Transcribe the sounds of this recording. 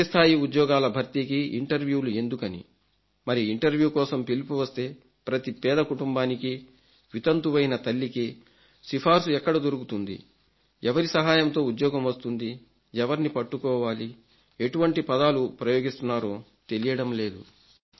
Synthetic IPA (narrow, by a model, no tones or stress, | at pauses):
st̪ʰaːjiud̪jɔːɡaːlɐbʱɐɾt̪ikiʔiɳʈɐɾʋjuːlue̞nd̪ukɐnḭ | mɐɾiiɳʈɐɾʋjuːkɔːsɐmpilipuʋɐst̪e̞ː | pɾɐt̪ipɛːd̪ɐkuʈumbaːniki | ʋit̪ɐnt̪uʋɐjinɐt̪ɐlːiki | sipʰaːɾsuɛkːɐɽɐd̪oɾuɡut̪und̪ḭ | ɛʋɐɾisɐɦaːjɐmt̪o̞ːud̪jɔːɡɐmʋɐst̪und̪i | ɛʋɐɾnipɐʈːukɔːʋaːli | e̞ʈuʋɐɳʈipɐd̪aːlupɾɐjoːɡist̪unːaːɾo̞ː | t̪e̞lijɐɽɐmle̞ːd̪ṵ